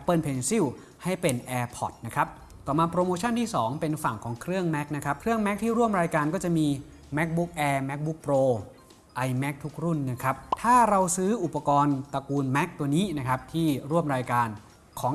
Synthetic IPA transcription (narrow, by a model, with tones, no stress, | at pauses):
pɤː˥˩npʰe˧nsi˥˩w | ha˥˩jpe˧nʔɛː˧pʰɔ˨˩t̪̚na˦˥kʰɾa˦˥p̚ | t̪ɔː˨˩maː˧pɾoː˧moː˧t͡ɕʰa˥˩nt̪ʰiː˥˩sɔː˩˦ŋpe˧nfa˨˩ŋkʰɔː˩˦ŋkʰɾɯ˥˩əŋmɛ˦˥k̚na˦˥kʰɾa˦˥p̚kʰɾɯ˥˩əŋmɛ˦˥k̚t̪ʰiː˥˩ɾu˥˩əmɾaː˧jkaː˧nkɔː˥˩t͡ɕa˨˩miː˧ | mɛ˦˥k̚bu˦˥k̚ʔɛː˧mɛ˦˥k̚bu˦˥k̚pɾoː˧ | ʔa˧jmɛ˦˥k̚t̪ʰu˦˥k̚ɾu˥˩nːa˦˥kʰɾa˦˥p̚t̪ʰaː˥˩ɾa˧wsɯː˦˥ʔu˨˩pːa˧kɔː˧nt̪a˧kuː˧nmɛ˦˥k̚t̪u˧əniː˦˥na˦˥kʰa˦˥p̚t̪ʰiː˥˩ɾu˥˩əmɾaː˧jkaː˧n | kʰɔː˩˦ŋ